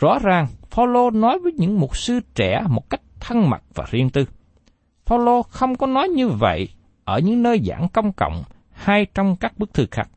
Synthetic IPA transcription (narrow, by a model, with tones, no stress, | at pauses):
zɔ̰˧˥zaː˨˩ŋfaː˧wlo˧nɔ˨˦jvəː˨˦jɲɨ̰˧˥ŋmʊ˨˩t̚sɨ˧t͡ɕɛ˧˩mo˨˩t̚ka˦˥jk̟̚t̪ʰə˧ŋma̰˨˩t̚vaː˨˩zi˧ənt̪ɨ˧ | faː˧wlo˧xə˧wŋ͡mkɔ˨˦nɔ˨˦jɲɨ˧və̰˧˨j | ʔəː˧˩ɲɨ̰˧˥ŋnəː˧jza̰ː˧˩ŋkə˧wŋ͡mkə̰˧˨wŋ͡m | haː˧jt͡ɕɔ˧wŋ͡mkaː˦˥k̚ɓɨ˦˥k̚t̪ʰɨ˧xa˦˥k̚